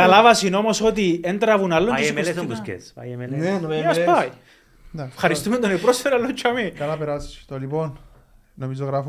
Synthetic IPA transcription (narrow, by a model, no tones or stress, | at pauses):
kalavasinomosot̪̬ient̪ɾɐvunalːoessssjeenenoasaj | neefxɐɾist̪umend̪onipɾoseɾalːot͡ʃʰːoɐmikɐlapeɾasst̪olipon | nomizoɣɾaf